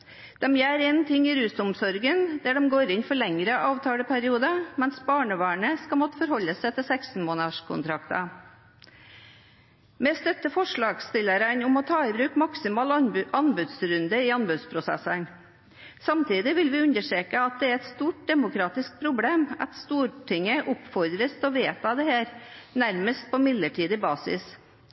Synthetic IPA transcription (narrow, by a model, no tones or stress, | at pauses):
d̪̥ɛmjæːɾɛnt̪ʰɪŋːɪɾʉːsʊmsɔɾɡənd̪æɖɛmɡoːɾɪnfɔɭɛŋɾəʔɑːʋt̪ʰɑːləpʰæɾɪuːd̪əmɛnsbɑːɳəʋɑːɳəskɑmɔt̪ːə̥fɔɾhɔlːəsæɪt̪ʰɪlsɛksn̩moːnɑʂkʰʊ̰nt̪ʰɾɑkt̪ə | mɛst̪œt̪ːəfɔʂɭɑːɡst̪ɪləɾənʊmɔt̪ʰɑːɪbɾʉːkmɑksɪmɑːlɑnbʉd̪sɾʉnd̪əɪɑnbʉd̪spʰɾʊsɛ̰sən | sɑmt̪ʰiːd̪ɪʋɪlʋɪʉnəʂeːkəɑt̪̚d̪ɛæɾɛt̪st̪uːʈ̚d̪ɛmʊkʰɾɑːt̪ɪsk̚pʰɾʊbleːmɑ̰t̪st̪uːʈʰɪŋːəʔʊpfɔɾd̪ɾəst̪ɔʋeːt̪ɑd̪ɛheːɾnæɾməst̪̚pʰɔmɪd̪ləʈʰiːd̪ɪbɑːsɪ̰s